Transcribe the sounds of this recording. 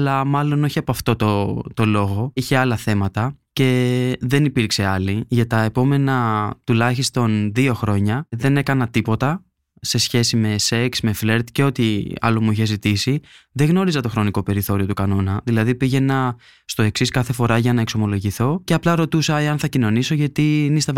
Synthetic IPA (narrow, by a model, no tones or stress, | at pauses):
lɐmɐlo̞no̞çiɐpoɐft̪o̞t̪ot̪o̞lo̞ɣo̞içe̞ɐlɐθe̞mɐt̪ɐce̞ðe̞nipiɾkse̞ɐliʝɐt̪ɐepo̞me̞nɐt̪ulɐçist̪o̞nðio̞xɾo̞ɲɐðe̞ne̞kɐnɐt̪ipo̞t̪ɐ | se̞sçe̞sime̞se̞ksme̞fle̞ɾt̪ce̞o̞t̪iɐ̰lo̞muiçe̞zit̪isiðe̞ɣno̞ɾizɐt̪o̞xɾo̞niko̞pe̞ɾiθo̞ɾio̞t̪ukɐno̞nɐðilɐðipiʝe̞nɐ | st̪o̞e̞ksiskɐθe̞fo̞ɾɐʝɐnɐe̞kso̞mo̞lo̞ʝiθo̞ce̞ɐplɐɾo̞t̪usɐeɐnθɐcino̞niso̞ʝɐt̪inist̪ɐ